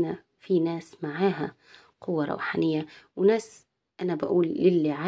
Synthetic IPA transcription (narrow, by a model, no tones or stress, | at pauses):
na | finæːsmaʕaːɦa | qʊwːɑɾˤɑ̰wħanɪjːawɪnæːs | ʔanabaʔuːlːɪlːiʕa